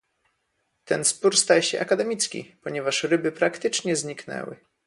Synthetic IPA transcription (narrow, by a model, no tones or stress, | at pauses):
t̪ɛnspuɾst̪ajɛɕɛʔakad̪ɛmʲit̪skʲḭpɔɲɛvaʂɾɘbɘpɾakt̪ɘt͡ʂɲɛzɲiknɛ̰wɘ̰